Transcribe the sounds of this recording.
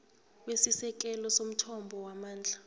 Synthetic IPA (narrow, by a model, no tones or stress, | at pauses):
wesisɛk̬ɛlɔsom̩tʰɔmbʱɔwamaːnd͡ɮʱa